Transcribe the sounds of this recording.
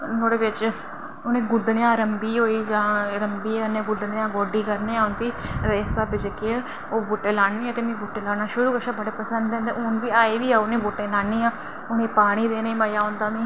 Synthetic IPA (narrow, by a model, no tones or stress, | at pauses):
noːɽeːʋɪt͡ʃ | ʊnẽːɡʊɖ̪ɽjãːɾəmbiːɦoːiːd͡ʒãːɾəmbiːaʊnẽːɡʊd̪ɽjãːɡɔːɖiːkəɾneːaːʊnk̪iːɾeːst̪aːbɪd͡ʒekee | oːbuːʈːeːlaːɳʋiːaːt̪eːmẽːbuːʈeːlaːnaːʃʊɾuːkəʃaːbəɽeːpəsənd̪ɛ̃nd̪eːʊnʋiːaːeːʋiːaːʊnẽːbuːʈẽːlaːɳiːaː | ʊnẽːpaːɽ̃iːd̪eːneiːmaːjaːõːnd̪aːmẽː